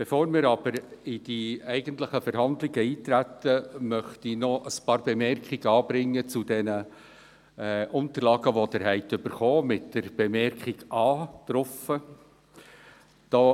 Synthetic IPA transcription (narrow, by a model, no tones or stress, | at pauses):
b̥efoːɾmɪːɾɑb̥əɾɪd̥iɛɪɡənt̪ləχəfɛɾhɑnd̪lɪɡəiːt̪ɾæt̪ːəmœχtinɔʔəspɑːɾbɛmɛrkχɪɡəɑːbɾɪŋːət͡sudɛnə | ʔʊnt̪əɾlɑːɡəʋod̥̪əɾɦɛɪtʏbəɾχoːmɪtd̥əɾb̥ɛmɛrkʰɪɡʔɑːt̪ɾɔfə | d̪̥ɑ